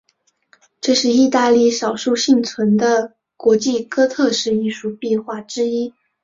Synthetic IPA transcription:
ʈ͡ʂɤ˥˧ʂɻ̩˥˧i˥˧t̪a˥˧li˥˩ʂɑ˨˩ʊʂu˥˧ɕi˥˩ŋt͡sʰwə˧˥nd̪ə˧ | kwɔ˧˥t͡ɕi˥˩kɤ˥t̪ʰɤ˥˧ʂɻ̩˥˧i˥˩ʂu˥˩pɛ˥˧nxwa˥˩ʈ͡ʂɻ̩˥i˥

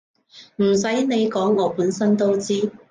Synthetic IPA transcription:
m̩˨˩sɐ˨˥jne˨˧jkɔː˨˥ŋɔː˨˧puː˨˥nsɐ˥nt̪o˥wt͡siː˥

